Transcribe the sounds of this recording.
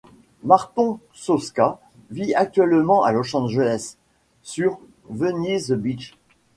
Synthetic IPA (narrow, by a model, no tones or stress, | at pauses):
maʁt̪ɔ̃ | sɔska | viak̚t̪ɥɛlmɑ̃ʔa̰lɔʃɑ̃d̪ʒənɛsː | yʁ | vənizbit͡ʃ